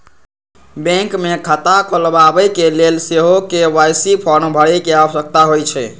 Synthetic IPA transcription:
bẽŋkmekʰət̪akʰolbabəjkelelseɦokewajsipʰɔnbʱəɽɛkeəbəsək̚t̪aɦojt͡ʃʰɛ

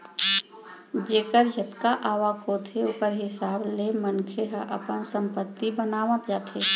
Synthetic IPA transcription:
d͡ʒeːkəɾjət̪kaʔaːʋakot̪ʰeʊkəɾɦɪsaːblemənkʰeɦəʔə̰pənsə̃mpət̪ːibənaːʋə̃t̪d͡ʒaːt̪ʰeː

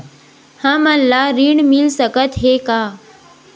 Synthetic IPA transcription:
hãməlːaːɾiːɳmilsəkət̪ɦeːkaː

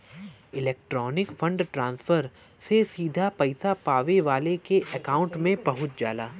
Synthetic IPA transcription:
ɪlɛːk̚ʈɾɔːnɪkfɐ̃ɳɖʈɾãːnsfʰəɾ | sesiːd̪ʱapɐɪsapaːʋeʋaːlekeʔɐkaːʊ̃ɳʈmẽbɐɦʊt̪d͡ʒa̰ːlaː

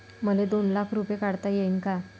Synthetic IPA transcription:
məled̪onlakʰɾupjekaɽt̪ajeinka

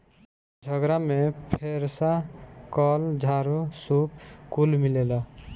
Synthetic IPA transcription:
d͡ʒʱəɡɾamepʰeɾsakɔld͡ʒʱaɾusupkulmilela

